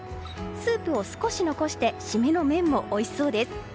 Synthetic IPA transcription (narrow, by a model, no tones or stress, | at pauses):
sɨːpɯ̟o̞sɨ̥ko̞ɕino̞ko̞ɕi̥t̪e̞ɕimeno̞mẽ̞mːo̞ʔːiso̞ːd̪e̞sɨ̥